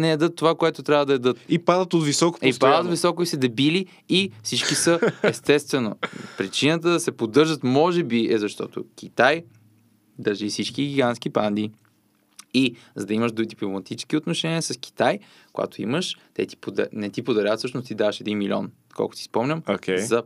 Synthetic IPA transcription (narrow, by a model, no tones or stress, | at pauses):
nɛɛd̪ɤt̪ːovakoɛt̪ʊt̪ɾʲavəd̪ɐɛd̪ɤt̪ipad̪ət̪ot̪visɔko̥pipad̪ət̪visɔkoisɛd̪ɛbili | ifsit͡ʃkisəɛst̪ɛst̪vɛnopɾit͡ʃinət̪əd̪ɐsɛpod̪ɤɾʒət̪mɔʒɛbiɛzɐʃt̪ɔt̪o̰k̟ʰʲit̪aj | d̪ɐɾʒifsit͡ʃkiɡʲiɡansk̟ipand̪i | izɐd̪ɐiməʃd̪ud̪iplomɐt̪it͡ʃɛ̥sk̟ʲiot̪noʃɛniəsɐsk̟i̥t̪aj | kʊja̰t̪oḭməʃt̪ɛ̰t̪i̥pod̪̰nɛt̪ipod̪ɐɾʲat̪sɤʃnost̪id̪avɐʃɛd̪inmilʲɔ̰n | kʰɔ̰lˠkʊ̥i̥spɔmnʲəmokʰejzɐ